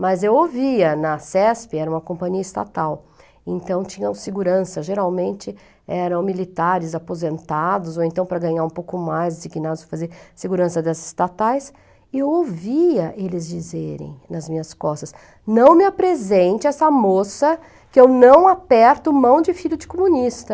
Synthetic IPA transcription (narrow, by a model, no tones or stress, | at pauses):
mɐzewoviɐnɐsɛspɪɛɾɐũmɐkõpɐ̃ɲiɐɪst̪a̰t̪aw | ẽnt̪ɐ̃w̃t͡ʃĩɲɐ̃seɡuɾɐ̃sɐʒeɾawmẽnt͡ʃɪ | ɛɾɐ̃w̃milit̪aɾɪzapozẽnt̪ad̪ʊzowẽnt̪ɐ̃w̃pɾɐɡɐ̃ɲaɾũpowkʊmajzd͡ʒiɡinad̪ʊsɐfazeɾseɡuɾɐ̃sɐd̪ɛsɪ̥st̪at̪ajs | ɪewowviɐʔelɪzd͡ʒizeɾḛ̃j̃nɐzmĩɲɐskɔst̪ɐs | nɐ̃w̃mɪapɾezẽnt͡ʃɪɛsɐmosɐ | kɪewnɐ̃w̃apɛɾt̪ʊmɐ̃w̃d͡ʒɪfiʎʊd͡ʒɪkomũnist̪ɐ